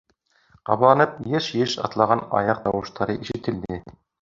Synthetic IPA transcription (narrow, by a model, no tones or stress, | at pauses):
qɑ̰βlˠɑnɤp̚jɘʃjɘʃɑ̰t̪lˠɑʁɑnɑ̰jɑq̚t̪ɑwɤ̆ʃt̪ɑɾɤʔiʃɘ̆t̪ɘ̆ld̪ɘ